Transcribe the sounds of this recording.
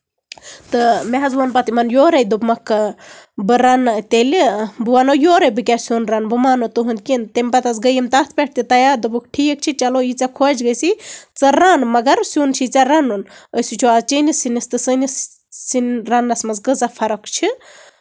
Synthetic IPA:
t̪ɨmeɦɐzʋɐnpɐt̪imɐnjoːɾɐjd̪ubmɐk | bɨɾɐnt̪elibuʋanojoːɾɐbɨkʲasʲunɾɐnbumaːnot̪ɨɦund̪̚kʲint̪emʲpɐt̪ɐsɡəjemt̪ɐt̪ʰpeʈ̚ʰt̪it̪ɐjaːɾd̪ubukʈʰik̚t͡ʃʰit͡ʃɐlojit͡sakʰod͡ʒɡəjsit͡sɐɾanmɐɡɐɾsʲuːnt͡ʃʰit͡saɾɐnunəsit͡ʃʰuaːzt͡ʃinisinist̪ɨsənis | sinɾɐnːɐsmɐnzɡəzapʰɐɾɐkt͡ʃʰi

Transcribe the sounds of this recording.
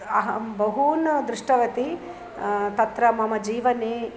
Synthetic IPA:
ɐɦɐbɐɦuːnɐd̪ɾiʂʈɐʋɐt̪i | t̪ɐt̪ɾɐmɐmɐd͡ʒiːʋɐne

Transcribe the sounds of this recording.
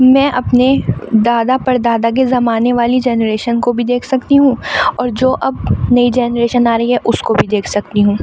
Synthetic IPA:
mɛ̃ːʔɐpned̪aːd̪apɐɾd̪aːd̪ak̬ezɐmaːneʋaːlid͡ʒɛːnɾeːʃənkobʱid̪eːkʰsɐkt̪iɦũːɔːɾd͡ʒoːʔɐbnɐid͡ʒɛːnɾeːʃənaːɾɐɦiɦɛʔʊskobʱid̪eːkʰsɐkt̪iɦũː

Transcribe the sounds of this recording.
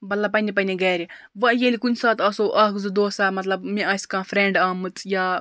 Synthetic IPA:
bɐllapɐnʲipɐnʲeɡɛːɾʲi | ʋɐjelʲikunʲsaːt̪ɐsoʔɐkzɨd̪oːsaːmɐt̪lɐbmĩɐsʲkãːfɾẽːɳɖaːmɨt͡sʰjaː

